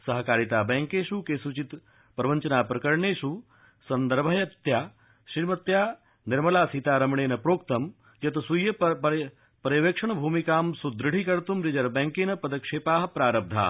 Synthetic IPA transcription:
sɐɦɐkaːɾit̪aːbɛːŋkeːʃukesut͡ʃit̪ | pɾɐʋɐɲt͡ʃɐnaːpɾɐkɐɾɳeːʃu | sɐnd̪ɐɾbʱɐjɐt̪jaː | ʃiːmɐt̪jaː | niɾmɐlaːsit̪aːɾɐmɳeːnɐpɾoːkt̪ɐm | jɐt̪ɐsujːɐ | pɐɾjɐʋeːkʂɐɳɐbʱuːmikaːmsud̪ɾɨɽ̤ikɐɾt̪umɾid͡ʒɐɾbɛ̃ːŋkeːnɐpɐd̪ɐkʂeːpaːɦɐ̆pɾaːɾɐb̚d̪ʱa̰ː

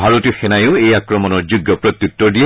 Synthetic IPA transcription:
bʱaɹotixɛnajoʊejakɹɔmɔnɔɹzuɡjɔpɹɔt̪jut̪ːɔɹdiɛ

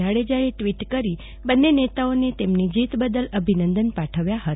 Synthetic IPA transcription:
aɭed͡ʒaeʈʋiʈkəɾi | bənːenet̪aonet̪emnid͡ʒit̪bəd̪ələbʱinənd̪ənpaʈʰəʋjaɦət̪a

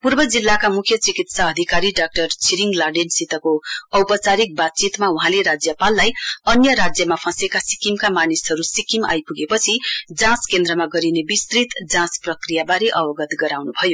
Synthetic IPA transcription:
purbʌd͡zilːakamukʰjʌt͡sikit̪saʌd̪ʱikaɾiɖak̚ʈʌrt͡sʰiɾiŋɡlarɖensit̪ʌkoʌwpʌt͡saɾik̚bat̪̚t͡sit̪mauɦãleɾad͡zjʌpalːajʌnjʌɾad͡zjʌmapʰʌ̃sekasi̥kimkamanisɦʌɾusikima̰jpuɡepʌt͡sʰid͡zãskend̪ɾʌmaɡʌɾinebist̪rit̪d͡zãsprʌkrijabaɾiʔʌbʌɡʌt̪ɡʌɾawnubʱʌjo

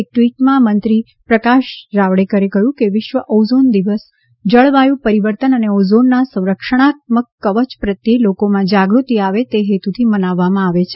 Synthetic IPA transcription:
ek̚ʈʋiʈmãmənt̪ɾi | pɾəkaʃɾaʋɽekəɾekəjũkeʋɪʃʋəʔozond̪iʋəs | d͡ʒəɭʋajũpəɾiʋəɾt̪ənəneozonːasə̃w̃ɾəkʂəɽ̃at̪̚məkːəʋət͡ʃpɾət̪jelokomãd͡ʒaɡɾut̪iaʋet̪eɦet̪ut̪ʰimənaʋːamãaʋet͡ʃʰe

